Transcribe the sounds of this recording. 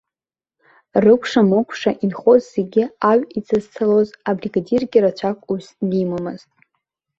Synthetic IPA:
rɨkʷʰʂamokʷʰʂaʔinχo̞zzeɡʲɪaɥʲit͡sʰʼɨzt͡sʰalozabriɡadirɡʲɪɾat͡ʃʷʰakʷʼusnimamɨz̥tʼ

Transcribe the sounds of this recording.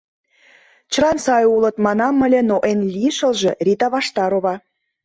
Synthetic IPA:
t͡ɕrɑnsɑjulə̆t̪mɑnɑmːə̆lʲĕnoʔenlʲiʃə̆lʒĕrʲit̪ɑβɑʃt̪ɑɾoβɑ

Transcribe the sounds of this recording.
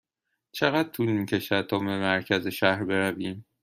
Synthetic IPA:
t͡ʃʰe̞ɣæd̪̥̚t̪ʰulmiːcʰe̞ʃæd̪̚t̪ʰɒːbe̞mæɾcʰæzeʃæhɾbe̞ɾæviːm

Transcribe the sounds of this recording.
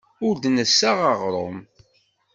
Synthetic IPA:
ʊɾd̪nəsːaʁaʁɾˤo̰m

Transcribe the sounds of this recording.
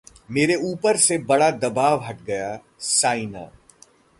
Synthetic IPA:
meːɾeuːpəɾsebɐɽad̪ɐbaːʋɦɐʈɡɐja | saːina̰ː

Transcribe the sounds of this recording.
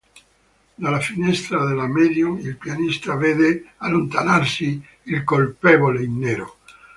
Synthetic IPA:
d̪alafinɛst̪ɾaðelamedjuilpjanist̪aveðealont̪anaɾsiː | lkolpeβoleinːeɾo̰

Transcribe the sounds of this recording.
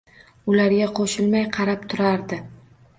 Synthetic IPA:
ʊlaɾɡʲaqʰoʃɪlmajqʰɑɾap̚t̪ʰʊɾaɾd̪ɪ

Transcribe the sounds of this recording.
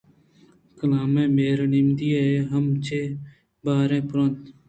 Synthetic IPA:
kəlaːmẽːmeːɾnemd̪iːaːeːɦəmt͡ʃʰeː | baːɾẽːpʊɾə̃nt̪

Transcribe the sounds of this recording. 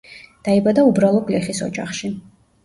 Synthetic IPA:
d̪̥aibad̪aubɾalˠɔkʼlɛχisɔ̰d͡ʒʼa̰χʃi

